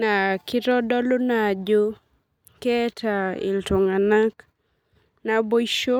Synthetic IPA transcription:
na˨kɪ˦ɾɔ˦dɔ˦lo˦na˨d͡ʒo˦ | kɛ˦tʰa˨ɪ̰˨lto˨ŋa˨na˦k | na˨bo˦ʃo˦

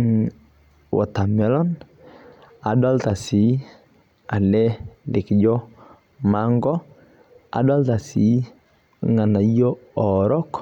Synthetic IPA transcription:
wʔɔ̰˨ta˨mɛ˦lɔ˦n | a̰˨dɔ˦lta˨si˨˦ | a˨lɛ˦lɪ˨kd͡ʒɔ˦ | ma˦ŋɡɔ˦ | a̰˨da˦lta˨si˨˦ | ŋa˨na˨jo˦ɔ˨ɾɔ˦k

